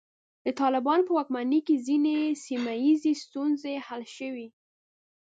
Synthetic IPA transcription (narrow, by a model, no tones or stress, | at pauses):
d̪ət̪ɑlɪbɑnopəwɑk̚manikezinesimajizest̪unzehalʃəwi